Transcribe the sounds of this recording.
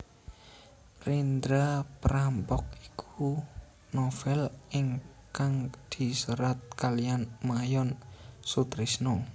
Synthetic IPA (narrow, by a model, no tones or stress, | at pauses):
rind̪ɾapɾampɔk̚i̥kʰu | nofɛliŋ | kaŋd̪̥i̤suɾat̪̚kalijanmajɔnsut̪ɾisno